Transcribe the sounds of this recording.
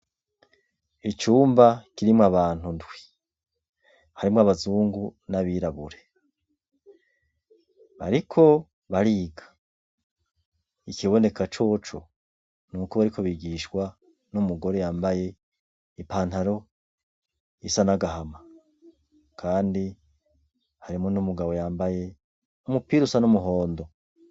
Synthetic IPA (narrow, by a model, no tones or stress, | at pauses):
it͡ʃuːmbakiɾimŋaβaːn̥undwi̥ | haɾimŋaβazuːŋɡunaβiːɾaβuɾe̞ | βa̰ɾikʰo̞ | βaɾiːɡḁ | ikiβo̞ne̞kat͡ʃo̞ːt͡ʃo̰ | nuːkoβaɾikʰo̞βiɡiʃkwa | numuɡo̞ɾejaːmbaje̞ | ipaːnthaɾo̞ | jisanaɡaɦama | kʰaːndi | haɾimonumuɡaβo̞jaːmbaje̞ | umupiɾusanumuɦoːndo̞